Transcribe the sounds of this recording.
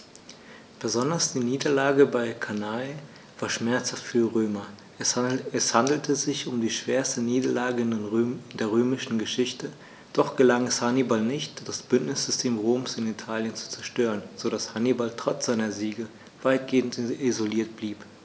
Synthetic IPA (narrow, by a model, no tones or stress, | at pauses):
b̥əzɔndɐsd̥iːniːdɐlaːɡəbaɪkʰanaɪ | v̥aːɐʃmɛɐt͡shaftfyːɐʁøːmɐ | ɛshandl̩tʰəzɪçʊmdiːʃv̥eːɐstəniːdɐlaːɡəndeːɐʁ̞øːmɪʃn̩ɡəʃɪçtə | d̥ɔχɡ̥əlaŋɛshanibalnɪçtd̥asb̥ʏntnɪsz̥ʏstʰeːmʁoːmsɪnitʰaːljənt͡su̥t͡sɛɐʃtøːʁ̞ənz̥oɾashanibaltʁ̥ɔt͡sz̥aɪnɐziːɡə | v̥aɪt̚ɡ̥eːn̩tizoliːɐt̚b̥liːp